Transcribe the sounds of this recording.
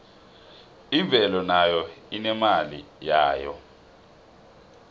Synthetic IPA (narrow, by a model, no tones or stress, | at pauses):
iɱb̪vʱɛlɔnajɔinɛmalḭjaːjɔ̰